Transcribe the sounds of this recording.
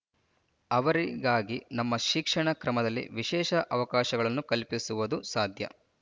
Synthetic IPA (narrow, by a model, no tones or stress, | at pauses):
ɐʋɐɾiɡaːɡinɐmːɐʃikʂɐɳɐkɾɐmɐd̪ɐlːḭʋiʃɛːʃɐʔɐʋɐkaːʃɐɡɐɭɐnːukɐlpisuʋɐd̪usaːd̪ʱjɐ̰